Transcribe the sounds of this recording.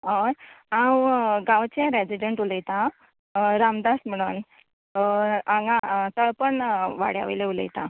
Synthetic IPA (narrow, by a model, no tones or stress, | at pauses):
ɦojãwɡãwt͡ɕãɾed͡ʑiɖəɳʈuləjt̪a | ɾamd̪asm̤əɽ̃uːn | ãŋɡat̪əɭpəɳʋa̰ɽja̰ʋḭleulə̰jt̪a